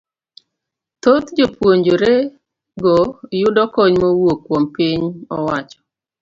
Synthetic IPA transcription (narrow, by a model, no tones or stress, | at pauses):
t̪ot̪d͡ʒopwoɲd͡ʒoɾe | ɡɔjʊdɔkɔɲmowokːwompiɲɔ̰wat͡ʃɔ̥